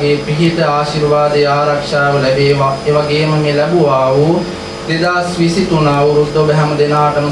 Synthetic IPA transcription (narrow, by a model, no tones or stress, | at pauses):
ɡeːpɪɦit̪aːʃiːɾʋaːd̪eaːɾɐkʃaːʋɐlɐʋeʋaeʋɐɡeːmɐŋelɛbuʋaːu | d̪ed̪aːsʋisit̪unaːuɾud̪obɛɦɛmd̪enaːʈɐm